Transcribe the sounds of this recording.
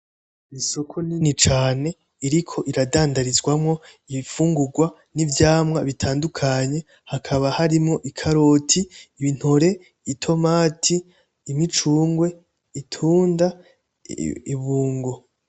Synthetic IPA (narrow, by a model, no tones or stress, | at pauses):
isokʰoninit͡ʃaːne̞ | iɾikʰo̞ʔiɾadaːndaɾizɡwamŋo̞ | iβifuːŋɡuɡwa | nivjaːmŋaβitʰaːndukʰaɲe̞ | hakʰaβahaɾimŋo̞ʔikʰaɾoːtʰiːβin̥ho̞ɾe̞ː | tʰo̞maːtʰiː | mit͡ʃuːŋɡwe̞ | itʰuːnda | iβuːŋɡo̞